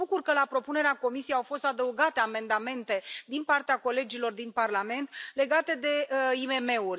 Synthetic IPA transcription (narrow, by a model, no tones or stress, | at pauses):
bukurkəlapɾo̞pune̞ɾeako̞misijeawfo̞st̪ad̪əuɡat̪e̞ame̞nd̪ame̞nt̪e̞d̪inpart̪eako̞le̞d͡ʒilo̞rd̪inparlame̞nt̪le̞ɡat̪e̞d̪e̞ime̞me̞urʲ